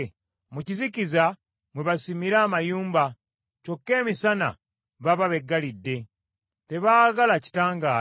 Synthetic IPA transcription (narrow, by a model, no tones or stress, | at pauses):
muciziciza | mweβasimiɾaːmajuːmba | co̞kːe̞ːmisana̰ | βaβaβe̞ɡːalidːe̞ | te̞βaːɡalaci̥taːŋɡaː